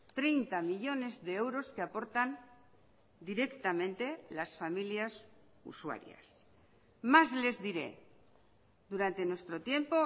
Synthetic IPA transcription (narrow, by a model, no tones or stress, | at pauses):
t̪ɾejnt̪amiʎo̞ne̞zðe̞ewɾo̞skeapo̞ɾt̪an | d̪iɾe̞kt̪amẽnt̪e̞lasfamiljas | ṵswa̰ɾja̰s | mazle̞zðiɾe̞̰ | d̪uɾant̪e̞nwe̞st̪ɾo̞t̪je̞mpo̞